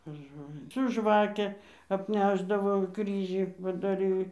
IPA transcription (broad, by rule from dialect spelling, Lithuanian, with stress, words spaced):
pʲɛr ˈʒoːlʲɪnʲɪ sʊ ˈʒʋɑːkʲɛ ɐpʲˈnʲæːʒdɐʋoː ˈkrʲiːʒʲiː pɐdɐˈrʲiː